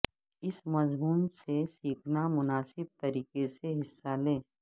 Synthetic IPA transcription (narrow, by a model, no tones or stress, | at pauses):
ɪsmɐzmuːnsesiːkʰnamʊnaːsɪb̚t̪ɐɾiːkeseɦɪsːaleː